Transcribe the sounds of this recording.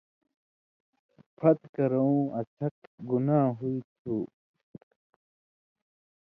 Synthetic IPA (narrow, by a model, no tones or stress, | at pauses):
pʰɐt̪kɐɾɐũɐt͡ɕʰɐkɡunaːɦuit̪ʰu